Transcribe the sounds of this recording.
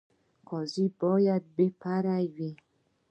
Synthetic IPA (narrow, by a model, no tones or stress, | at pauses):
kɔzibɔjabepaɾawi